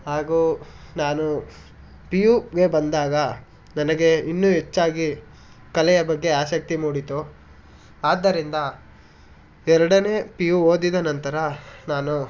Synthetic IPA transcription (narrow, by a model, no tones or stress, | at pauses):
ɦaːɡuːnaːnu | pijuɡe̞bɐnd̪aːɡɐ | nɐnɐɡe̞inːuɦet͡ʃːaːɡi | kɐlɛjɐbɐɡːe̞aːʃɐk̚t̪imuːɽit̪u | aːd̪ːɐɾind̪ɐ | ɛɾɐɽɐne̞ːpijuoːd̪id̪ɐnɐnt̪ɐɾɐnaːnu